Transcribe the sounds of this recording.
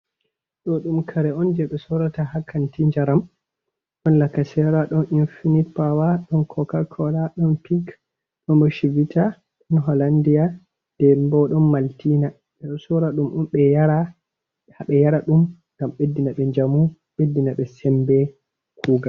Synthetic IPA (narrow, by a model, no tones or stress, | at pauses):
ɗɔɗumkʰaɾɛɔnd͡ʒɛɓɛsɔɾatahakʰːantiɲd͡ʒaɾam | ɗɔnlakːasɛɾaɗɔnʔinfinitpawaɗɔnkʰɔkakʰɔlaɗɔnpik | ɗɔnbɔʃivitʰa | ɗɔnɦɔlandija | d̥ɛmbɔɗɔnmaltina | ɗɛɗɔsɔɾaɗumʔɔmɓɛjaɾa | haɓɛjaɾaɗumŋɡamɓedːinaɓɛɲd͡ʒamu | ɓedːinaɓɛsɛmbɛ | kʰuːɡa